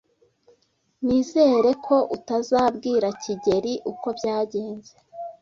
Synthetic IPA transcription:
niːze̞ːɾe̞kʰo̞ʔutazaːbɡiːɾaciɟe̞ɾiʔuko̞bjaːɟe̞ːnze

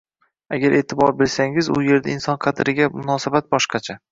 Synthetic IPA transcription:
aɡʲaɾʔe̞ːt̪ʰɪbɒɾbɪlsaŋɪzʊ̰je̞ɾd̪aɪnsɒnqʰɑt̪ʰɾɪɡʲamʊnɒsabat̪̚bɒʃqɑt͡ʃʰa

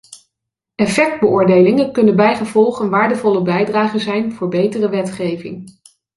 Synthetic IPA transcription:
ɛfɛk̚d̚bəʔʊːɹdejlɪŋənkɵnənbɛjχəvɔlˠχənʋaːɹdəvɔləbɛjdraːχənzɛjnvʊːɹbejtərəʋɛtχejvɪ̰ŋ

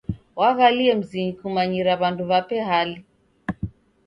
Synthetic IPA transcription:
waɣaliɛm̩ziɲikumaɲiɾaβanduβapɛɦali

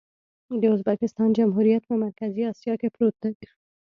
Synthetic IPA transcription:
d̪eozbakɪst̪ɑːnd͡ʒɐmɦuːɾijət̪mẽmɐɾkɐziaːsijakepɾuːt̪̚e

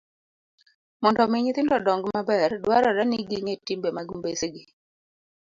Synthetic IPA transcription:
mɔndɔmɪɲɪt̪ɪndɔdɔŋɡmabɛrdwaɾɔɾɛniɡiŋetimbemaɡmbeseɡɪ

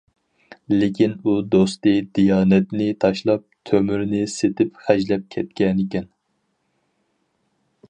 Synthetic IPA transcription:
lɪkʲinud̪ost̪ɨd̪ijɑːnɛt̪nɪt̪ʰɑʃlˠɑp̚t̪ʰømyɾnɪset̪ʰɪpχæd͡ʒlɛp̚kʲʰɛt̪kʲɛnɪkʲɛn

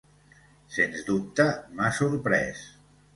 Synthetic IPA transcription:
senzd̪up̚t̪əmasuɾpɾɛ̰s

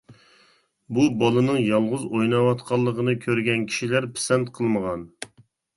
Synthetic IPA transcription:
bubɑlˠɨnɨŋjɑlˠʁʊzojnɑwɑt̪qʰɑlˠːəqənɨkʲʰøɾɡʲɛnkʲʰi̥ʃilæɾpʰɪ̥sɛnt̪qʰəlˠməʁɑn

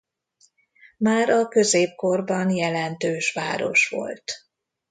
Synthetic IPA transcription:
maːɾɒkøzeːp̚ko̞rbɒnjɛlɛnt̪øːʃʋa̰ːɾo̞̰ʃʋo̞̰lt̪

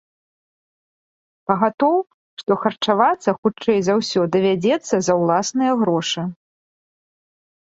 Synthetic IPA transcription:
pɐɣat̪ɔw | ʂt̪ɔxɐrt͡ʂavat̪sːɐxut͡ʂɛjzawsʲɔd̪ɐvʲad͡zʲɛt̪sːɐzɐwlˠasnɨjɐɣɾɔʂɨ

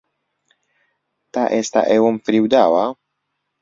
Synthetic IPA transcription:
t̪aʔest̪a̰ʔewomfɾiwd̪awa

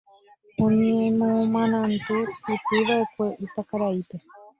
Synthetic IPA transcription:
õɲẽẽmõmãnãnt̪ɨsɨt̪iʋaekʷeʔit̪akaɾait̪e

